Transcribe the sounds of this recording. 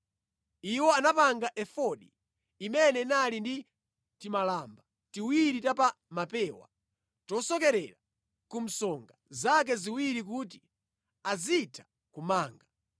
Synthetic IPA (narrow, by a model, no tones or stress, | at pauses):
iwɔanapaŋɡaʔɛfɔɗiː | mɛnɛnalindi | timalaːmba | tiwiɾitapa | mapɛːwa̰ | tɔsɔkɛɾɛɾa | kum̩sɔŋɡazak̬ɛziwiɾikuːt̬i̥ | azitʰḁ | kumaːŋɡa